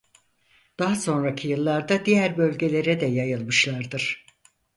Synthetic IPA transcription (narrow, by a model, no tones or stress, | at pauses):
d̪̥aɦaso̞nɾacʰijɯlˠːaɾd̪ad̪ijæɾbø̞lʲɟe̞lʲe̞ɾɛd̪ɛjajɯlˠmɯʃlˠaɾd̪ɯɾ̥